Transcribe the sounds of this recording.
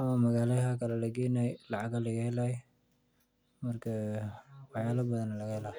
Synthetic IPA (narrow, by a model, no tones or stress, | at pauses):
ʔɐmamɐɣaːlɐɦɐkʰɐlɛlɐɡɛːnɛjlɑʕɑɡɐlɐɣɐhɛlaːj | mɐrkʰɐ | wɑħjaːlɐbɐðɐnːɐlɐɣɐhɛlaː